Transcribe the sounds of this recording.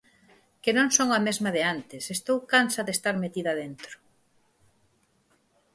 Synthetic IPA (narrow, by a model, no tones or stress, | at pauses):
kenõŋsoŋɐmezmɐðɪant̪ɪsest̪owkansɐðest̪aɾmet̪iðɐðent̪ɾʊ̥